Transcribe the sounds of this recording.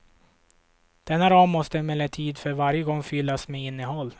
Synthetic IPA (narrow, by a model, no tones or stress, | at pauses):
d̪̥ɛnːaɾɑːmːɔst̪əmɛlːɛt̪ʰiːd̪fœɾvaɾjəɡɔŋːfʏlːasmeːɪnːəɦɔlː